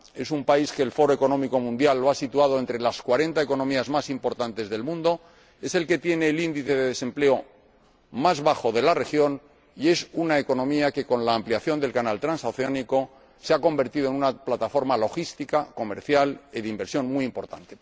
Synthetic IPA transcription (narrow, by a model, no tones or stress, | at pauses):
e̞sumpaiske̞ːlfo̞ɾoe̞ko̞nõ̞miko̞mũnd̪jalːo̞asit̪uað̞o̞e̞nt̪ɾe̞laskwaɾe̞nt̪ae̞ko̞nõ̞miazmasimpo̞ɾt̪ant̪e̞zðe̞lmũnd̪o̞ | e̞se̞lke̞t̪je̞ne̞ːlind̪iθe̞ðeðe̞sẽ̞mple̞o̞ | mazβaxo̞ðe̞lare̞xjo̞n | ie̞sunaeko̞nõ̞miake̞ko̞nlaːmpliaθjo̞nd̪e̞lkanalt̪ɾansawθeaniko̞ | seako̞mbe̞ɾt̪iðoenunaplat̪afo̞ɾmalo̞xist̪ikako̞me̞ɾθjaliðeimbe̞ɾsjo̞nmiimpo̞ɾt̪a̰nt̪e̞